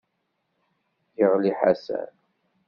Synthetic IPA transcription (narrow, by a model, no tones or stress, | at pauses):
jəʁliħasæ̰n